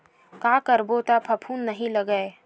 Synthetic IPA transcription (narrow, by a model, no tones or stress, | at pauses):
kaːkɐɾbot̪apʰɐpʰuːnːɐɦĩlɐɡəe